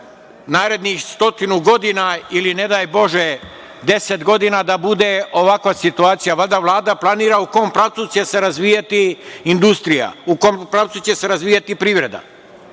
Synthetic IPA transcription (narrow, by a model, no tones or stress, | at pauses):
naːɾe̞d̪nixst̪o̞t̪inuɡo̞d̪inailine̞d̪aːjbo̞ʒe | d̪e̞set̪ɡo̞d̪inad̪abud̪e̞o̞ʋakʋasit̪uaːt̪sijaʋalʲd̪aʋlˠaːd̪aplˠaniːɾauko̞ːmpɾaːʋt̪sut͡ɕe̞se̞ɾazʋijat̪iind̪ust̪ɾija̰ukompɾaːʋt̪sut͡ɕe̞se̞ɾazʋiːjat̪ipɾiːʋɾe̞d̪a̰